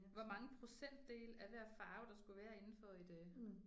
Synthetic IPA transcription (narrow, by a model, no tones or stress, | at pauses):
ʋɒmɑ̈ŋəpʰʁo̝sen̰d̥ːe̝̰ːlæʋæɐ̰fɑ̈ːʊd̥ɑ̈sɡ̥uʋæːɐe̝nn̩fɒ̽id̥ɛ